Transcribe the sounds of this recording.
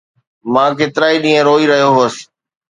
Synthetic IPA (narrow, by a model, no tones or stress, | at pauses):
mãːkeːt̪ɾaːiɗĩːə̃ɾoːiːɾəɦijoɦoːəs